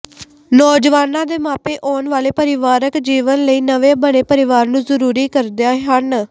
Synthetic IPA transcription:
nɔːd͡ʒʋaːnãːd̪eːmaːpeːʔɔːnʋaːleːpəɾɪʋaːɾəkd͡ʒiːʋənləiːnəʋeːbəneːpəɾɪʋaːɾnũːzəɾuːɾiːkəɾd̪ejaːɦən

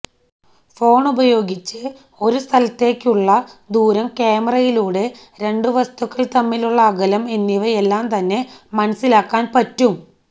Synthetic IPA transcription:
fo̞ːɳubɐjo̞ːɡit͡ɕːɨ | o̞ɾust̪ʰɐlɐt̪ːe̞ːkʲːuɭːɐd̪uːɾɐmkeːmɐrɐjiluːɽe | ɾe̞ɳɖɨʋɐst̪ʰukːɐɭt̪ɐmːiluɭːɐːɡɐlɐmenːiʋɐelːaːmt̪ɐnːe̞mɐnɐsːilaːkːaːnpɐtːum

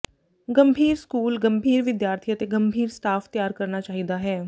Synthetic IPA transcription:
ɡəmbʱiːɾskuːlɡəmbʱiːɾʋɪd̪jaːɾt̪ʰiət̪eɡəmbʱiːɾsʈaːfʰt̪ɪjaːɾkəɾnaːt͡ʃaːɦid̪aːɦɛː

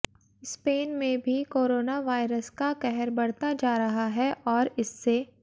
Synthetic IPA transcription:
speːnmẽbʱikoːɾoːnaʋaːɪɾəskakɛɦɛɾbɐɽ̤t̪ad͡ʒaːɾɐɦaɦɛʔɔːɾɪsːe

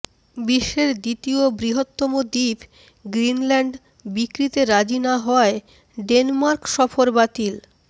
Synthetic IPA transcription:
biʃːeɾd̪it̪iobɾiɦot̪ːomod̪ib | ɡɾinlɛɳɖ | bikɾit̪eɾad͡ʑinaɦɔe | ɖenmaɾkʃɔfoɾbat̪il

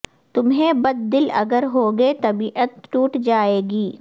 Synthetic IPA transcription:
t̪ʊmɦẽbɐd̪̚ːɪlɐ̰ɡəɾɦoːɡet̪ɐbiːʔət̪ʈuːʈd͡ʒaːeːɡiː

